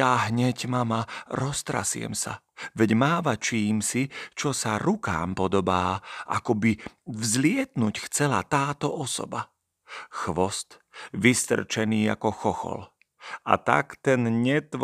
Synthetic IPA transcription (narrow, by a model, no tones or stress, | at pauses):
jaːɦɲɛɟmamaɾɔst̪ɾa̰siɛ̰msa̰ | ʋɛɟmaːʋat͡ʃiːmsit͡ʃɔsaɾuka̰ːmpɔd̪ɔbaːʔa̰kɔbivzlɪɛt̪nucxt͡sɛla̰t̪aːt̪ɔʔɔsɔ̰ba | xʋɔst̪ʋist̪r̩t͡ʃɛniːa̰kɔxɔxɔ̰l | a̰t̪a̰kt̪ɛnɲɛt̪ʋ